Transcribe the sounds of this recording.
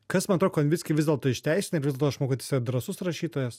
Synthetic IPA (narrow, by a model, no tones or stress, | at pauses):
kɐsmɐnɐt̪ɾoːkoɐnʲʋʲɪsʲkʲɪʋʲɪzdʲɛlˠt̪oːɪʃʲt̪ʲɛɪsʲɪnʲɐɪɾʋʲɪzʲd̪ʲɛt̪oːɐʃmoːkot̪ʲɪsʲɛd̪ɾɐsʊsɾɐʃʲiːt̪oːjɛs